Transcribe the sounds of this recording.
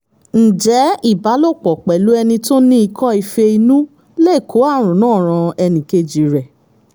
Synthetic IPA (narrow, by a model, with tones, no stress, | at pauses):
n̩˨d͡ʒɛ˨˦i˦˨ba˨˦lo˦˨k͡pɔ˨k͡pɛ˨lu˨˦ɛ˧nĩ˧to˦nĩ˦i˧kʰɔ̃˦i˧fe˧i˧nũ˦ | le˦˨kʰo˨˦a˦˨ɾ̃ũ˨nãː˦˨ɾ̃ã˧ɛ˧nĩ˨ke˧d͡ʒi˨ɾɛ˨